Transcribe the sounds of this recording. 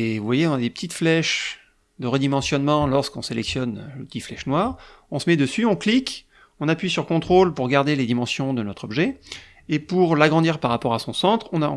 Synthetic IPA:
evuvwajeɔ̃nad̪epə̥t̪it̪flɛʃ | d̪əʁəd̪imɑ̃sjɔnmɑ̃lɔʁskɔ̃selɛksjɔnləpət̪iflɛʃnwaːʁɔ̃səmɛd̪əsyɔ̃klik | ɔ̃napɥisyʁkɔ̃t̪χolpuʁɡaʁd̪eled̪imɑ̃sjɔ̃d̪ənɔt̪χɔbʒɛ | epuʁlaɡʁɑ̃d̪iʁpaʁːapɔʁasɔ̃sɑ̃t̪χɔ̃nã

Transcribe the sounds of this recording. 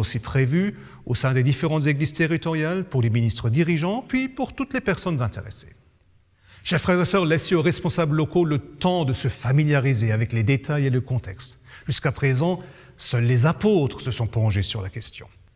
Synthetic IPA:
osipχevy | osɛ̃d̪ed̪ifeʁɑ̃t̪zeɡliz̥t̪eʁit̪ɔʁjalpuʁleminist̪χəd̪iʁiʒɑ̃pɥipuʁt̪ut̪lepɛʁsɔnzɛ̃t̪eʁḛse̥̰ | ʃɛʁfχɛʁɛsœʁlɛsoʁɛspɔ̃sabləlɔkolət̪ɑ̃d̪əsəfamiljaʁizeavɛkled̪et̪ʰajeləkɔ̃t̪ɛkst̪ | ʒyskapχezɑ̃ | sœlːezapot̪χəsəsɔ̃plɔ̃ʒesyʁlakʲɛst̪jɔ̰̃

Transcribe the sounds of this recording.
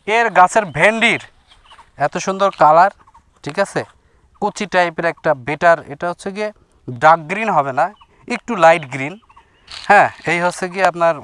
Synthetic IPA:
eɾɡat͡ɕʰeɾbʱeɳɖiɾ | ɛt̪oʃund̪oɾkalaɾ | ʈʰikat͡ɕʰe | kut͡ɕʰiʈajpeɾɛk̚ʈabeʈaɾḛʈaɦotːʰeɡie | ɖak̚ɡɾinɦɔβena | ek̚ʈulajʈɡɾin | hɛ̃ejɦotːʰeɡieapnaɾ

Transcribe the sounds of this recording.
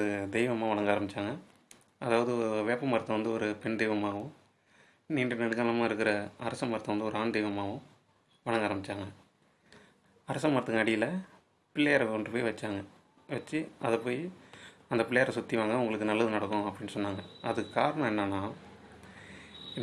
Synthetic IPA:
ɯd̪ɛɪʋɐmaːʋɐɽɐŋɡaːɾɐmbɪt͡ʃːaːŋɡɐ | ɐðaːʋɐðɯɔɾʋeːpːɐmɐɾɐt̪ːɐʋɐnd̪ɯɔɾɯpɛɳd̪ɛɪʋɐmaːʋʊ̃ | niːɳɖnɐɽɯkaːlɐmaːɪɾɯk̬ːɯɾɐɐɾɐsɐmɐɾɐt̪ːɐʋɐnd̪ɯɔɾɯaːnd̪ɛɪʋɐmaːʋɯ̃ | ʋɐɽɐŋɡaːɾɐmbɪt͡ʃːaːŋɡɐ | ɐɾɐsɐmːɐɾɐt̪ːɯŋɐɽɪjɪlɐ | pɪlːɐjɐɾɐkɔɳɖɯpoːjiʋɐt͡ʃːaːŋɡɐ | ʋɐt͡ʃːɯɐðɐpːoːjɐnd̪ɐpɪlːɐjɐɾɐsʊt̪ːiʋaːŋɡɐʊŋɡɐɭɯkːɯnɐlːɐðɯnɐɽɐkːʊ̃ɐpːɐɽɪnːɯsɔnːaːŋɡɐɐðɯkːɯkaːɾɐɳɐ̃ɛnːanːaː

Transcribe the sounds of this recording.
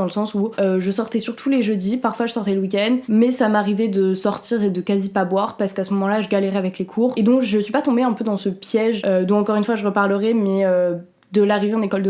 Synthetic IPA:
ɑ̃ləsɑ̃suøʒəsɔʁt̪ɛsyʁt̪ʰuleʒød̪ipaʁfwaʒəsɔʁt̪ɛləwik̬ʲɛnd̪mɛsamaʁivɛd̪əsɔʁt̪iʁed̪əkazipabwaʁpaʁsə̥kasəmɔmɑ̃laʒəɡalɛʁɛavɛklekʰuːʁed̪ɔ̃kʒəsɥipat̪ɔ̃beɛ̃pød̪ɑ̃səpjɛʒød̪ɔ̃ɑ̃kɔʁynfwaʒəʁəpaʁləʁɛmɛø | d̪əlaʁiveɑ̃nekɔld̪ə

